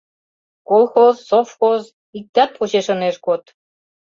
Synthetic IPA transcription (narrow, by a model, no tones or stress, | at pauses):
kolˠxozːofxoz | ik̚t̪ɑt̪̚puʑeʃɤ̆neʃɡot̪